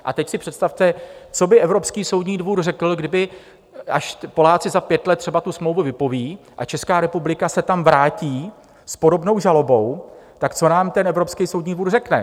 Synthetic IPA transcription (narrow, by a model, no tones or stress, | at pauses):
ʔa̰t̪ɛcsɪpr̥ɛt̪st̪aft̪ɛt͡so̞bɪʔɛvɾo̞pskiːso̞wd̪ɲiːdvuːɾrɛkl̩ɡdɪbɪ | ʔaʃpo̞laːt͡sɪzapjɛt̪lɛt̪ːr̥ɛbat̪usmlowvuvɪpo̞viːʔa̰t͡ʃɛskaːɾɛpublɪkasɛt̪amvɾaːciː | spo̞do̞bno̞wʒalo̞bo̞wt̪akt͡sonaːmt̪ɛnʔɛvɾo̞pskijsowdɲiːdvuːrrɛknɛ̰